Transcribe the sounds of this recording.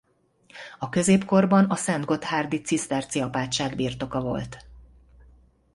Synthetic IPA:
ɒkø̞zeːpko̞rbɒnɒsɛnd̪ɡo̞t̪haːrd̪it̪sist̪ɛrt̪siɒpaːt̪ʃaːɡbiːrt̪o̞kɒvo̞̰lt̪

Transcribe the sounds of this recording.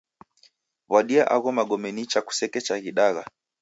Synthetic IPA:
βwaɗiaʔaɣɔmaɡɔmɛnit͡ʃaku̥sɛkɛt͡ʃaɣiɗaɣa̰

